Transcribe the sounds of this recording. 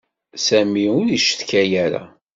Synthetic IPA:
sæmiʊɾiʃθkæjæɾa̰

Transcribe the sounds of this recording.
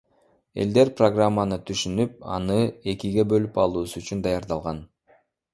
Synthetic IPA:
e̞̰ld̪e̞ɾproɡramːanɯt̪ʰyʃynyp̚ɑ̰nɯe̞kiɡe̞bø̞lypɑlˠuːsuyt͡ʃynd̪ɑjɑɾd̪ɑlˠʁɑn

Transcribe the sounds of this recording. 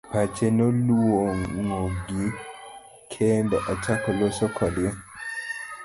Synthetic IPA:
pat͡ʃenoluwoŋŋoɡi | kʰend̪ɔʔɔt͡ʃakɔlosokʰɔdɪɛ

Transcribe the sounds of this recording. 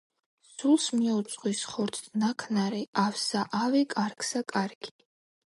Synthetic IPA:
sulˠsmiɔt̪sʼqʼwisχɔɾt̪ʰnakʰnaɾɛafsaʔavɛkʼaɾkʰsakʼaɾɡi̥

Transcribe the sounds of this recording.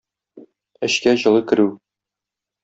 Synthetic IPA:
ɘ̆ɕkæʑɤ̆lˠɤkɘ̆ɾʉ

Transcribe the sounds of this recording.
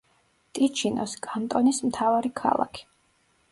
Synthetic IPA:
t̪ʼit͡ʃʰinɔ̰skʼant̪ʼɔnismt̪ʰavaɾikʰa̰lˠa̰kʰi̥

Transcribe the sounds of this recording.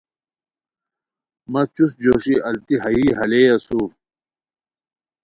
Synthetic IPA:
mɐt͡ɕusd͡ʑoːɕiɐlt̪iɦɐiːɦɐleːjɐsuːf

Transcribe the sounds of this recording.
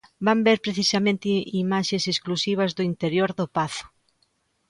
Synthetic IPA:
bambeɾpɾeθisamẽnt̪ɪimaʃesesklusiβ̞ɐzðʊint̪eɾjoɾðʊpaθʊ̥

